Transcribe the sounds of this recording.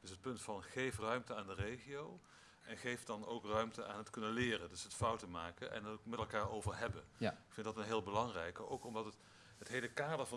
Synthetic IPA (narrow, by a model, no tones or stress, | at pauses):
d̥ɵsɦət̚pɵntfɑnχejfrœɥmtəaːndərejχiow | ʔɛnχejfdɑno̰wkrœɥmtəaːnɦətkɵnəlɪːrəndɵsɦətfʌwtəmaːkənʔɛ̰nmɛtlˠkaːɹowvəɹɦɛbəɪkfɪntdɑtənɦɪːlˠbəlɑŋrɛjkowkɔmdɑtət | ɦətɦejləkaːdəɹvɑ